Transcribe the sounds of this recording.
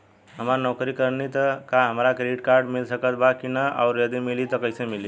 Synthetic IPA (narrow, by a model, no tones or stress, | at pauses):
ɦəmaɾnɔkɾikəɾnit̪əkaɦəmɾakɾeʈkaɾɖmilsəkət̪bakinəa̰ʊɾjəd̪imilit̪ɔkəjsemili